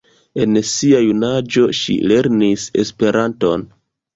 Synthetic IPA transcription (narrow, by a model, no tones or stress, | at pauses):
e̞nsiajunad͡ʒo̞ʃḭle̞ɾnise̞̰spe̞ɾʔanto̞̰n